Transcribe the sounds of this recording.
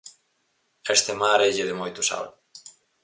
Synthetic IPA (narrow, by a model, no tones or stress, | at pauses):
est̪emaɾeʎeðemojt̪usa̰w